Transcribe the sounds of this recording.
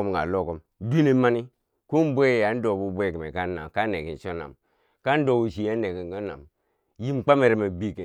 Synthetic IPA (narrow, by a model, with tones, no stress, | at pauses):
m˨ŋɡa̰˨lo˦˨ko˦m | di˦ne˦ma˦ni˦ | ku˦m˦bʷe˦˨ja˨˦n̩˦do˨bu˨bʷe˦˨ki˨mḛ˨ka˦na̰˨mka˦ne˨ki˨n˨ʃo˦na̰˨m | ka˦n˦do˨bu˨ʃi˨ja˦ne˨ki˨ŋɡo˦na̰˨m | ji˦mk͡pa˦me˨ɾe˨me˨bi˦˨ke˨